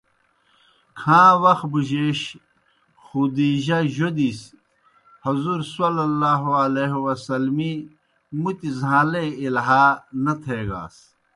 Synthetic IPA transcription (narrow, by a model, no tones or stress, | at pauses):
kʰãːwɐxbuʑeːɕ | xud̪iːʑɐʑod̪is | hɐzuɾsɐlɐlːaːɦoɐleɦwɐsɐlmi | mut̪izãːleilɦaːnɐt̪ʰeːɡa̰ːs